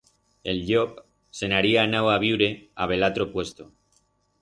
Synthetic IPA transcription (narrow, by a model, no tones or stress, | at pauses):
e̞lʎop | se̞naɾianawaβ̞iwɾe̞aβ̞e̞lat̪ɾopwe̞st̪o